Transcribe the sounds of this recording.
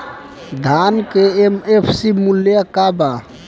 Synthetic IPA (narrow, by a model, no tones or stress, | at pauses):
d̪ʱankeemepʰsimuljakaba